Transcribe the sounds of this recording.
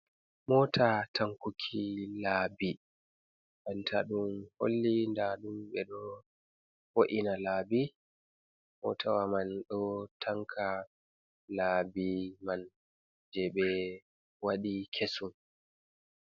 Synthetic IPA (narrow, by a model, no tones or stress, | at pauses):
mɔːtʰatʰaŋkukʰilaːbi | ɓantʰa̰ɗumho̰lːindaɗumɓɛɗɔ | foʔinalaːbi | mɔ̰tʰawamanɗɔtʰaŋkʰa | labiman | d͡ʒɛɓɛ | waɗikʰesum